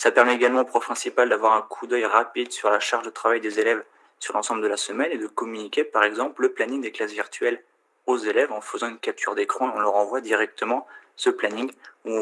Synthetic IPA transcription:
slapɛʁmɛeɡalmɑ̃opχɔfpχɛ̃sipald̪avwaʁɛ̃kʰud̪œjʁapid̪syʁlaʃaʁʒd̪ət̪χavajd̪ezelɛv | syʁlɑ̃sɑ̃bləd̪əlasəmɛned̪əkɔmynikʲepaʁɛɡzɑ̃plləplaniŋd̪eklasviʁt̪ɥɛl | ozelɛvɑ̃fəzɑ̃ynkʲap̚t̪ʰyʁd̪ekχɔ̃eɔ̃ləʁɑ̃vwad̪iʁɛk̚t̪ʰəmɑ̃səplaniŋũ

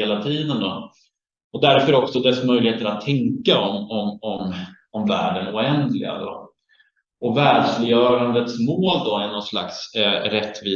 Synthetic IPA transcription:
eːlat̪ʰiːd̪ənd̪ɔ | ɔd̪æɾfœɾɔksɔd̪ɛsmœjlɪheːt̪əɾat̪ʰːɛŋkaɔmɔmɔm | ɔmvæ̰ːɖənʊɛnd̪lɪ̰ɡa̰d̪ɔ̰ | ɔvæːɖʂlɪjœːɾand̪ət̪smoːld̪ɔænɔnsla̰ksɾɛt̪ːviː

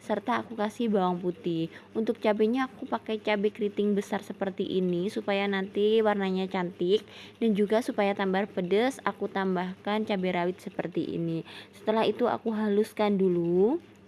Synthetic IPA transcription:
sərt̪aːkukasɪhbawaŋput̪ɪhʔunt̪ʊk̚t͡ʃabɛɲaːkupakajt͡ʃabɛkɾit̪ɪŋbəsarsəpərt̪iʔinisupajanant̪iwarnaɲat͡ʃant̪ɪk̚ | dand͡ʒuɡasupajat̪ambarpədəsakut̪ambahkant͡ʃabɛɾawɪt̪̚səpərt̪iʔḭnisə̥t̪əlaɦit̪ua̰kuɦaluskandulu

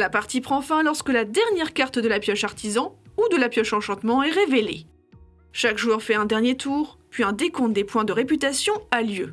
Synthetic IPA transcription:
lapaʁt̪ipχɑ̃fɛ̃lɔʁskəlad̪ɛʁnjɛʁkaʁt̪d̪əlapjɔʃaʁt̪izɑ̃ud̪əlapjɔʃɑ̃ʃɑ̃t̪mɑ̃ɛʁevelḛ | ʃakʒuʁfɛɛ̃d̪ɛʁnjet̪ʰuːʁpɥiɛ̃d̪ekɔ̃d̪epwɛ̃d̪əʁepyt̪asjɔ̃aljø

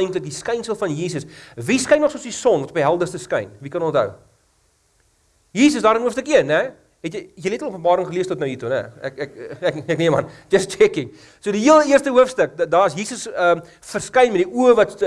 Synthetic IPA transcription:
jŋklək̚diskɐjnsəlˠfɐnjiːs̬əsviskɐjnːɔχsuəsdisɔnvɐtɔpiɦælˠdərstəskɐjnvikɐnɔntɦə̰w | jiːs̬əsdɑːɾənɦuəfstəkiənːɛ | ɦɛtjjəletlˠuəpənbɑːɾəŋχəliəstɔtnəwitunɛ̰ɛkɛkɛkɛkniəmɐ̰nd͡ʒɐst͡ʃɛkɪŋ | suədiɦiəlˠiərstəɦuəfstək̚dɑːɐsjiːsəsəm | fərskɐjnmɛtdiʔuəvɐt

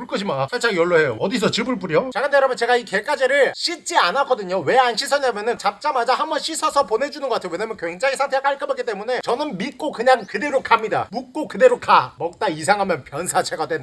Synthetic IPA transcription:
uɭk͈ʌɕʰimasʰat͡ɕ͈ʰaŋjʌɭːoɦe̞joʌdis̬ʰʌt͡ɕɯbɯɭp̬͈uɾiot͡ɕaɡɯnd̪eɾamjʌnt͡ɕe̞ɡaike̞k͈ad͡ʑeɾɯɭɕ͈ʰit͡ɕ͈ianak͈ʌdɯɲowe̞anɕʰisʰʌɲamjʌnɯnt͡ɕap̚t͡ɕ͈amad͡ʑahambʌnɕʰisʰʌsʰʌpone̞d͡ʑunɯnɡʌkatʰejowe̞ɲamjʌnkweŋd͡ʑaŋisʰantʰe̞ak͈aɭk͈ɯbak͈it͈e̞mune̞t͡ɕʌnɯnmit̚k͈okɯɲaŋkɯde̞ɾokʰamɲida̰muk̚k͈okɯde̞ɾokamʌk̚t͈ais̬ʰaŋɦamjʌnpjʌnsʰat͡ɕʰe̞ɡadwend

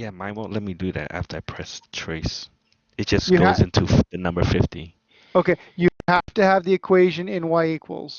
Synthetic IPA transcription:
jæmaɪwõʔlɛt̚midɨðæ̰tæ̰ftə˞aɪpʰɹ̥ɛstʰɹ̥oɪs | ɨt̚d̥ʒ̥ʌsɡoʊzɪ̃ntʰuðɨnʌ̃mbə˞fɪfti | oʊkeɪjɨhæftɨːvðiɨkʰw̥eɪʒɨ̃nɪ̃nwaɪikʰwə̰l̩ˠz̥

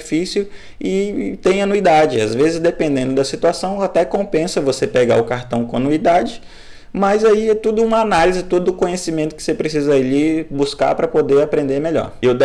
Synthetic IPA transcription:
fisʊ | ɪt̪ẽj̃ɐnuid̪ad͡ʒɪa̰zvezɪzd̪epẽnd̪ẽnd̪ʊd̪ɐsit̪uasɐ̃w̃at̪ɛkõpẽsɐvosepeɡa̰ʊkaɾt̪ɐ̃w̃kõnuid̪ad͡ʒɪ | mɐzaiɛt̪ud̪ʊũmɐanalizɪt̪od̪ʊʊkõɲesimẽnt̪ʊkɪ̥sepɾesizɐlibuska̰pɾɐpod̪eɾapɾẽnd̪eɾmeʎɔ̰ɾewd̪

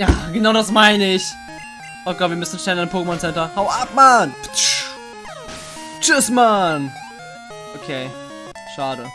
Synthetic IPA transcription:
jaːɡənaʊdasmaɪnəɪç | ʔoːɡ̥ɔtviːɐmʏsn̩ʃtnɛlənadmpʰoːkəmɔnsɛntɐhaʊʔap̚manpʃ | t͡ʃɪsman | ʔokʰeː | ʃaːɾə

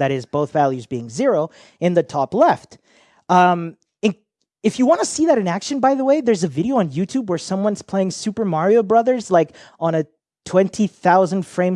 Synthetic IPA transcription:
ðɨɾɪzboʊθvælˠjʉzbiɪ̃ŋzɪɹoʊ | ɨ̃nðɨtʰɔplɛft | ʌ̃m | ɨ̃n | ɨfjɨwɑ̃nɨsiðɨɾɨ̃nækʃɨ̃nbaɪðəweɪðə˞zɨvɪɾioʊə̃njʉtʰʉbwə˞sʌ̃mwʌ̃nz̥pʰl̥eɪɪ̃ŋsʉpə˞mɑɹioʊbɹʌðə˞zlaɪkə̃nɨ | tʰw̥ɛ̃ntʰiθaʊzɨ̃nd̥fɹẽɪ̃m

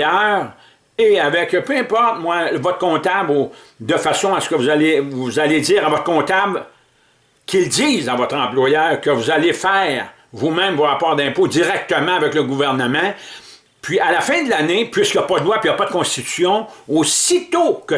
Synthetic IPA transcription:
jœːʁ | eavɛkpøɛ̃pɔʁt̪̚mwavɔt̪χkɔ̃ːt̪abud̪əfasɔ̃asə̥kəvuzalevuzaled͡ziːʁavɔt̪χkɔ̃ːt̪abl | kʲilziːzɑ̃vɔt̪ʁɑ̃plwajœːʁkəvuzalefɛːʁ | vumɛ̃mvoʁapɑːʁd̪ɛ̃ːpodd͡ziʁɛk̚t̪əmɑ̃avɛkləɡuvɛʁnəmɑ̃ | pɥialafɛ̃d̪lanepɥiskʲjɐpʌd̪əlwapɥijɑpʌd̪əkɔ̃st̪i̥t̪y̥sjɔ̃osit̪okə

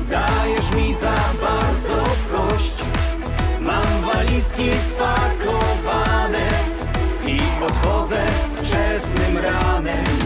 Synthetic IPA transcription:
d̪ajɛʂmʲizabaɾd̪zɔfkɔɕt͡ɕ | mamvalʲiskʲispakɔvanɛ | ipɔt̪xɔd̪zɛft͡ʂɛsnɘmɾanɛm

